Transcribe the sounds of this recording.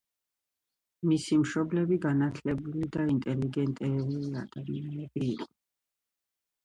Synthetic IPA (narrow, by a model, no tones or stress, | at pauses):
misimʃɔblɛbiɡanat̪ʰlɛbulid̪aint̪ʼɛliɡɛnt̪ʼɛɾulia̰d̪̥amianɛbiːqʼɔ̥